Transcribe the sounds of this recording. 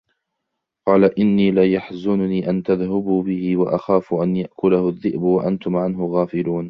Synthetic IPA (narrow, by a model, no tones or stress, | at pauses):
qɑːlaʔɪnːiːlajaħzʊnʊniːʔant̪aðhabuːbɪhɪwaʔaxaːfʊʔanjaʔkʊlahʊðːɪʔbwaʔant̪ʊmʕanɦʊɣaːfɪluːn